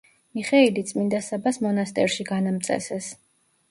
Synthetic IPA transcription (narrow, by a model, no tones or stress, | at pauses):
miχɛilit̪sʼmind̪asabasmɔnast̪ʼɛ̰ɾʃiɡanamt̪sʼɛ̰sɛs